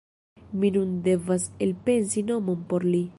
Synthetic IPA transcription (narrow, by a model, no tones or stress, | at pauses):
minunde̞vaselpe̞nsino̞mo̞npo̞ɾli